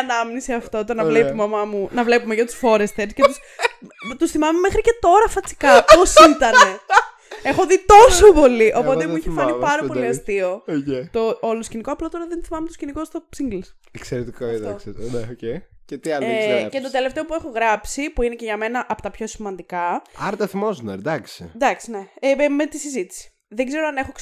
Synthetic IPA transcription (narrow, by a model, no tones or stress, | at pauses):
ɐnɐminisiɐft̪o̞t̪onɐvlepumeomɐmunɐvle̞pumeʝɐt̪u̥sfo̞ɾest̪eɾscet̪us | t̪usθimɐme̞mexɾice̞t̪o̞ɾɐfɐt͡si̥kɐosit̪ɐne̞ | e̞xo̞ðit̪o̞sopo̞liʔo̞po̞emuiçefɐnipɐɾɐpo̞lliɐst̪iot̪ooloscinikoɐplot̪o̞ɾɐðenθimɐmet̪oscinikost̪osiŋɡlis | ekseɾet̪ikofd̪ɐokseneocejcet̪iɐlcet̪ot̪e̞le̞ft̪e̞opue̞xoɣɾɐpsipuinece̞ʝɐme̞nɐʔɐpot̪ɐpço̞simɐnd̪ikɐɐɾt̪ɐθimozneɾd̪ɐksind̪ɐksine̞me̞t̪isizit̪i̥si̥ | ðeɡze̞ɾoɐne̞xo